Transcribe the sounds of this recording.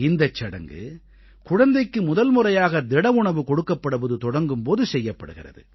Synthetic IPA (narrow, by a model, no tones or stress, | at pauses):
ɪnd̪ɐt͡ʃːɐɽɐ̰ŋɡɯ̰ | kʊɻɐnd̪ɐɪkːɯmʊðɐlmʊrɐjaːɣɐd̪ɛɽɐʋʊɳɐʋɯkɔɽɯkːɐpːɐɽɯpɐðɯt̪ɔɽɐŋɡɯmpoːðɯsɛjːɐpːɐɽɯɣɪrɐ̰ðɯ